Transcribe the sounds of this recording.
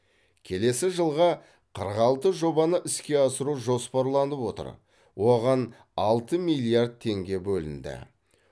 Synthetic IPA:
kʲʰe̞le̞sɪʒəlˠʁɑ | qʰəɾʁɑlˠt̪əʒo̞bɑnəʔɪskʲe̞ɑsəɾuʒo̞spɑɾlˠɑnəpwo̞t̪ə̰ɾ | wo̞ʁɑn | ɑlˠt̪əmijlʲˠiard̪̚t̪ʰːe̞ŋɡʲe̞bɵlɪ̰nd̪ɪ̰

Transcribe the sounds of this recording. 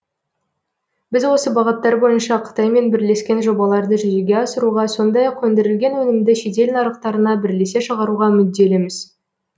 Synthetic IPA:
bɪzwo̞səbɑʁət̪ːɑɾbo̞jənʃɑqʰə̥t̪ɑjme̞nbɪɾle̞skʲe̞nʒo̞bɑlˠɑɾd̪əʒʏzeɡʲe̞ɑsəɾuʁɑso̞nd̪ɑjɑqwɵnd̪eɾɪlɡʲe̞nwɵnɪmd̪ɪʃe̞t̪e̞lnɑɾəq̚t̪ɑɾənɑbɪɾle̞se̞ʃəʁɑɾuʁɑmʏd̪ːe̞lemɪz̥

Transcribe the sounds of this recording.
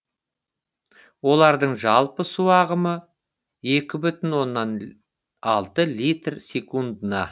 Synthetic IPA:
wo̞lˠɑɾd̪əɴʒɑlˠpəsuɑʁəmə | e̞kʲɪbʏt̪ɪnwo̞nːɑn | ɑlˠt̪əlʲijt̪rsʲe̞kund̪ənɑ

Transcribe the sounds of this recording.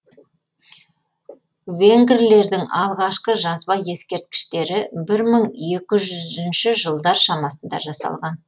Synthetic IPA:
veŋɡʲɪɾle̞ɾd̪ɪŋɑlˠʁɑʃqəʒɑzbɑje̞skʲe̞ɾt̪̚kʲɪ̥ʃt̪e̞ɾɪbɪɾməɴje̞kʲɪʒʏzɪnʃɪʒəlˠd̪ɑɾʃɑmɑsənd̪ɑ̰ʒɑsɑ̰lˠʁɑn

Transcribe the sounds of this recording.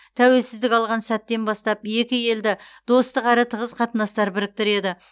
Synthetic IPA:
t̪ʰæwe̞lsɪzd̪ɪkʲɑlˠʁɑnsæt̪ːe̞nbɑst̪ɑpje̞kʲɪje̞ld̪ɪd̪̥o̞st̪əqæɾɪt̪ʰəʁəzqʰɑt̪ənɑst̪ɑɾbɪɾɪk̚t̪ɪɾe̞d̪ɪ

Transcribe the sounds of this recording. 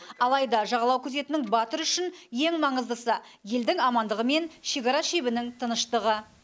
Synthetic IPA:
ɑlˠɑjd̪ɑʒɑʁɑlˠɑwkʲʰɵze̞t̪ɪnɪŋbɑt̪əɾʏʃɪnje̞ŋmɑɴəzd̪əsəje̞ld̪ɪŋɑmɑnd̪əʁəme̞nʃe̞kɑɾɑʃebɪnɪŋt̪ʰənəʃt̪əʁə

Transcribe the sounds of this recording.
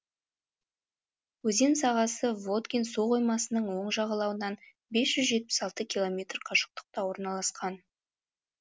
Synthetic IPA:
wɵze̞nsɑʁɑsəvo̞t̪kʲensuqo̞jmɑsənəɴwo̞ɴʒɑʁɑlˠɑwənɑn | be̞sʒ̥ʏzʒe̞t̪̚pɪ̥sɑlˠt̪əkʲilˠo̞mʲe̞t̪rqʰɑʃə̥q̚t̪ə̥q̚t̪ɑwo̞ɾnɑlˠɑsqɑn

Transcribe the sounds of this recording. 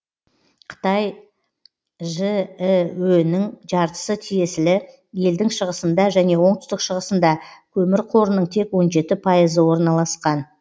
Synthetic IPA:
qʰə̥t̪ɑj | ʒəwɵnɪŋʒɑɾt̪ə̥sət̪ʰije̞sɪlɪ | je̞ld̪ɪŋʃəʁəsənd̪ɑʒæne̞wo̞ɴt̪ʏst̪ɪkʃəʁəsənd̪ɑkʲʰɵmɪɾqʰo̞ɾənəɴt̪ʰe̞kwo̞nʒe̞t̪ɪpʰɑjəzəwo̞ɾnɑlˠɑsqɑn

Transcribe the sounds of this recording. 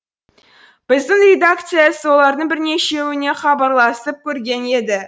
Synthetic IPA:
b̥ɪzd̪ɪŋrʲe̞d̪ak̚t̪sɨjaswo̞lˠɑɾd̪əɴbɪɾne̞ʃe̞wɪne̞χɑbɑɾlˠɑsəp̚kʲʰɵɾɡʲe̞ne̞d̪ɪ

